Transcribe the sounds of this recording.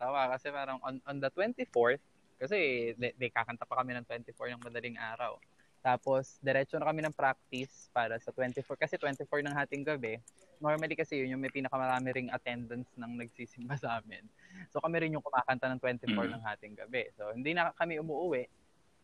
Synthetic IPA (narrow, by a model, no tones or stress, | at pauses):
t̪awakɐsɛpaːɾɐŋʔonʔond̪ɐt̪wɛnt̪ifoɹ | kɐsɛlnɐjkaːkɐnt̪apɐkɐmɛnɐŋt̪wɛnt̪ɪfoɹnɐŋmɐd̪ɐliŋʔaːɾɐ̰w | t̪aːpo̞sd̪ɛɾɛːt͡ʃonɐkɐmɛnɐŋpɾak̚t̪ɪspaːɾɐsɐt̪wɛnt̪ɪfoɹkɐsɛt̪wɛnt̪ɪfoɹnɐŋhaːt̪ɪŋɡɐbɛ | no̞ɹmɐlikɐsɛjʊnjʊŋmɐjpiːnɐkɐmɐɾaːmɪɾɪŋɐt̪ɛnd̪ɐnsnɐŋnɐɡ̚siːsɪmbasɐʔaːmɪ̰nsokɐmɛɾɪnjʊŋkʊmaːkɐnt̪anɐŋt̪wɛnt̪ɪfoɹnɐŋhaːt̪ɪŋɡɐbɛso̞hɪnd̪inɐkɐmɛʊmuːʔʊwɛʔ